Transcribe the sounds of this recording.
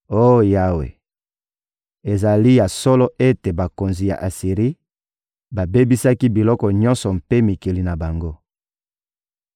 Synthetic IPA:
o˦˨ja˦wḛ˨ | e˨za˨li˦ja˨sɔ˦lɔ˦ʔe˦te˨ba˨ko˨nzi˨ja̰˨ʔa˨si˨ʁi˦ | ba˨be˦bi˦sa˦ki˦bi˨lɔ˦kɔ˨ɲɔ̃˦nsɔ˨mpe˦mi˨ki˨li˨na˨ba˨ŋɡo˦

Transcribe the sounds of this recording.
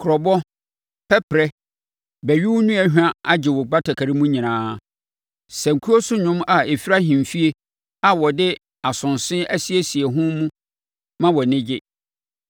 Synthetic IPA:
kʰʊ˨ɾɔ˨bɔ˦ | pʰɛ˦pʰɾɛ˦ | bɛ˨ɥɪ˦wʊ˦nũ˦ɛ˦ɦᶣã˦a˦d͡ʑɪ˨wʊ˨ɡ͡ba˦tʰa˨kʰa˨ɾi˦mũ˦ɲĩ˨nãː˦ | sɛ̃˨ŋ̩˨kʰu˦o˦sʊ˦ɲʊ̃˦ma˨e˨fi˦ɾa˦ɦĩ˨m˨fi˦e˦ | a˨wɔ˨dɪ˦ | a˨sʊ̃˨nsɪ̃˦æ˦si˦e˦si˨e˨ɦʊ̃˦mũ˦ | mã˦wɔ˨nɪ̃˦d͡ʑɪ˦

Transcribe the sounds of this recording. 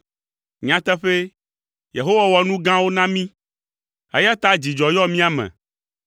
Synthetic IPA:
ɲã˨t̪ɛ˦ɸe˦ | je˨ɦo˦wa˨wɔ˨nũ˦ɡã˦wo˦nã˦mĩ˦ | ḛ˦ja˦t̪a˦d͡ʑi˨d͡ʒɔ˨jɔ˦mĩ˦a˨mɛ̰̃˨

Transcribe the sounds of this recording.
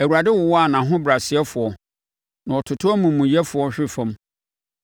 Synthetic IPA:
æ˨wu˨ɾa˨dɪ˦wʊ˨wɔ˦a˨nã˨ɦʊ̃˦bɾa˨sɪ˨˦ɛ˦fʊ˨ɔ˨ | nã˨ɔ˨tʰʊ˨tʰʊ˦ɔ˦mũ˨mũ˨jɛ˦fʊ˨ɔ˦ɕᶣɪ˦fã˦m

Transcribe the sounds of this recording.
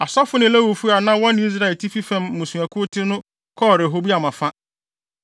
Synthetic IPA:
a˨sɔ˦fʊ˦nɪ̃˨lɛ˦wu˨fu˦a˨nã˦wɔ̃˦nɪ̃˨˦i˦s̬ɾa˦ɛ˨tʰi˦fi˦fɛ̃˨mmũ˨sũ˨æ˨kʰʊ˦tʰɪ˦nʊ̃˦ | kʰɔ˦˨ɾe˨ɦo˦bi˦a˨mã˨fã˦

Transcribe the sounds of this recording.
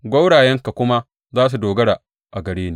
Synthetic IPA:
ɡʷɐ˦wɽaː˨jɛ˦ŋka˨kʷʊ˦ma˦ | zaː˦s̬u˨doː˨ɡɐ˦ɽaː˨ | ʔa˨ɡɐ˨ɽeː˦niː˦

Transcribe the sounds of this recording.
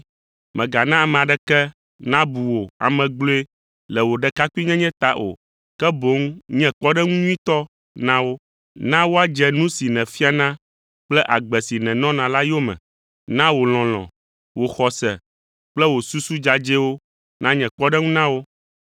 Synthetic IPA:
mɛ̃˨ɡa˨nã˦a˨mɛ̃˨a˨ɖɛ˦kɛ˦ | nã˦bu˨wo˨a̰˨mɛ̃˨ɡ͡blo˦e˦ | lɛ˨wo˨ɖɛ˨ka˦ku˦i˦ɲɛ̃˦ɲɛ̃˦t̪a˨ʔo̰˨ | kɛ˦bo˨˦ŋ˦ɲɛ̃˦k͡pɔ˦ɖɛ˦ŋũ˦ɲũ˦ĩ˦t̪ɔ˦ | nã˦wo˦ | nã˦wo˦a˦d͡ʒɛ˨nũ˦si˨nɛ̃˨fi˦a˨nã˦ | k͡plɛ˦ʔa˨ɡ͡bɛ˨si˨nɛ̃˨nɔ̃˦nã˨la˦jo˦mɛ̰̃˨ | nã˦wo˨l̃ɔ̃˨l̃ɔ̰̃˨ | wo˨xɔ˨sɛ̰˨ | k͡plɛ˦wo˨su˦su˦d͡ʒa˨d͡ʒɛ˦wo˦ | nã˦ɲɛ̃˨k͡pɔ˦ɖɛ˦ŋũ˦nã˦wo˦

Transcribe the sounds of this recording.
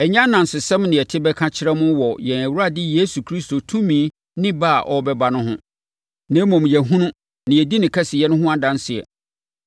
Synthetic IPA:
ɛ˨ɲã˦nã˨n̩˨sɪ˨sɛ̃˦mnɪ̃˨ɛ˨tʰɪ˦bɛ˦kʰã˦t͡ɕʰɪ˦ɾɛ˦mʊ̃˦wɔ˨jɛ˨næ˨wu˦a˦dɪ˦jeː˦su˨kʰɾi˦sto˨tʰũ˦mĩ˦ | nɪ̃˦baː˦˨ʔɔ˦bɛ˦ba˦nʊ̃˦ɦʊ̰̃˦ | nɛ̃˨˦mɔ̃˨mjɛ˨ɦũ˦nʊ̃˦ | nɪ̃˨ɛ˨di˦nɪ̃˨kʰɛ˦sɪ˨jɛ˦nʊ̃˦ɦʊ̃˦a˦dã˦n˦sɪ˨ɛ̰˨

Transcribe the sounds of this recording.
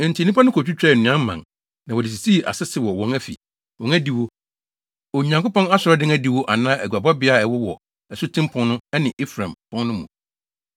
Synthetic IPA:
n̩˨tʰi˨nːĩ˦pʰã˦nʊ̃˦kʰo˨t͡ɕᶣu˦t͡ɕᶣɾɛ˦˨nʊ̃˨˦ã˦m˦mã̰˨ŋ | nã˨wɔ˨dɪ˨s̬i˨si˦˨ʔa̰˨sɪ˦sɪ˨wɔ˨wɔ̃˦ŋæ˦fḭ˨ | wɔ̃˨ŋæ˦di˨wo˦ | o˨ɲã˨ŋkʊ˦pɔ̃˦na˦sʊ˨ɾɔ˦dɪ̃˦ŋæ˦di˨wo˦ʔa˨nãː˦ʔæ˨ɡʷa˨ba˦bɪ˨˦a˦˨ɛ˨wɔ˦wɔ˨ | ɛ˨sʊ˦tʰɪ̃˦mpʰʊ̃˦nnʊ̃˦ɛ˦nɪ̃˨ʔe˦fɾã˨mpʰɔ̃˦nnʊ̃˦mũ˨

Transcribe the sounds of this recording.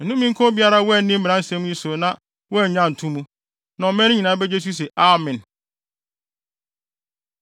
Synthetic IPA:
n̩˨nũ˦mĩ˦ŋ̩˦kʰɔ̃˦bi˦a˦ɾa˦wn̩˦nɪ̃˦m̩˦m˨nã˦n̩˦sɛ̃˦m̃˦ĩ˦so˨nã˦ | wɔ˦˨ɲã˦˨n̩˨tʰũ˦mũ˦ | nã˨ɔ˨mɛ̃˦nɪ̃˦ɲĩ˨nã˨˦bɛ˦d͡ʑe˦s̬u˦s̬ɛ˨ʔa˦˨mɪ̃˨n

